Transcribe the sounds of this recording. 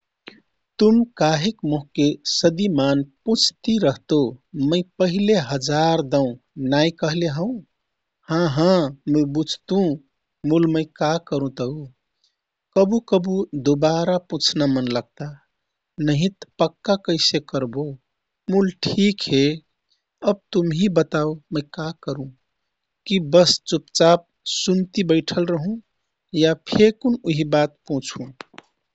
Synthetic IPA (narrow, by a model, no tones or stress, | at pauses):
t̪umkaɦekmoɦkesəd̪imanpũt͡ʃʰt̪iɾəɦt̪oməɪpəɦileɦəd͡ʒaɾd̪əũ | najkəɦleɦə̃ʊ̃ | hãɦãməjbud͡ʒʱt̪ũ | mulməɪkakəɾũt̪əɦu | kəbukəbud̪obaɾapũt͡ʃʰnamənləɡ̚t̪a | nəɦĩt̪pəkːakəɪsekəɾbo | mulʈʰikɦe | əb̚t̪umɦibət̪aoməjkakəɾũ | kibəst͡ʃupt͡ʃap̚sunt̪ibəɪʈʰəlɾəɦũ | japʰekunuɦibat̪̚pɔ̃t͡ʃʰũ